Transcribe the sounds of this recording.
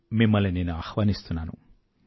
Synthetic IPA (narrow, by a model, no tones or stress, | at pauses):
mimːɐlːine̞ːnuaːxʋaːnist̪unːaːnṵ